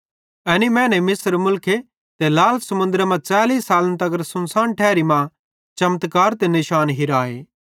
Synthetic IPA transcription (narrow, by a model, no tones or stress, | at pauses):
ɛːnimɛ̃ːnɛmɪsɾmʊlkʰe | t̪elaːlsɐmʊ̃nd̪əɾamãt͡ʃaːliːsːaːlnt̪ɐɡəɾsʊnsaːnʈʰɛːɾimã | t͡ʃɐmt̪kaːɾt̪enɪʃaːnɦɪɾaːeː